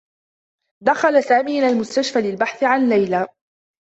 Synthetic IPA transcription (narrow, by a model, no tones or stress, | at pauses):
d̪axalasaːmiːmɪlalmʊst̪aʃfalɪlbaħθɪʕanlːajlaː